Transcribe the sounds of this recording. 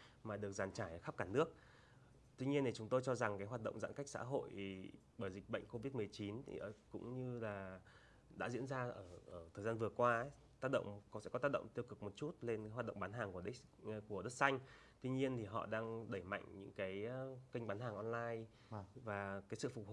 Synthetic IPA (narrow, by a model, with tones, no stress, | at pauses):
maː˨˩ɗɨ˨˩ək̚zaː˨˩nt͡ɕaː˧˩jʔəː˧˩xa˦˥p̚kaː˧˩nɨ˦˥ək̚ | t̪wi˧ɲi˧ənt̪ʰi˨˩t͡ɕʊ˨˦ŋ͡mt̪o˧jt͡ɕɔ˧za˨˩ŋkaː˨˦ɦwaː˨˩t̚ɗə̰˧˨wŋ͡mza̰ː˧˨ka˦˥k̟̚sa̰ː˧˥ɦo̰˧˨j | ɓəː˧˩jzï˨˩k̟̚ɓə̰˧˨ŋ̟ko˧vi˦˥t̚mɨ˨˩əjt͡ɕi˨˦nt̪ʰḭ˨˩ʔkʊ̰˧˥ŋ͡mɲɨ˧laː˨˩ | ɗa̰ː˧˥zḭ˧˥ənzaː˧ʔəː˧˩ʔəː˧˩t̪ʰəː˨˩jzaː˧nvɨ˨˩əkwaː˧˦ | t̪aː˦˥t̚ɗə̰˧˨wŋ͡msɛ̰˧˥kɔ˨˦t̪aː˦˥k̚ɗə̰˧˨ŋ͡mt̪i˧əwkɨ˨˩k̚mo˨˩t̚t͡ɕu˦˥t̚le˧nka˨˦ɦaː˨˩t̚ɗə̰˧˨ŋ͡mɓaː˨˦nɦaː˨˩ŋku˧˩˨ | ku˧˩əɗə˦˥t̚sa˧jŋ̟ | t̪wi˧ɲi˧ənt̪ʰi˨˩ɦɔ̰˧˨ɗaː˧ŋɗə˧˩jma̰˧˨jŋ̟ɲɨ̰˧˥ŋkaː˨˦jki˧ŋ̟ɓaː˨˦nɦaː˨˩ŋʔɔ˧nlaː˧j | vaː˨˩kaː˨˦jsɨ̰˧˨fʊ˨˩k͡p̚h